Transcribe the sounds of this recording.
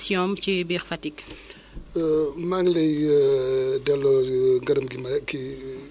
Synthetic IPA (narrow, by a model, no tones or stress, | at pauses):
sjɔmt͡ʃibiːxfɐtik | maŋlɛj | dɛlːɔŋɡɐdɐmɡimɐɾɛkːi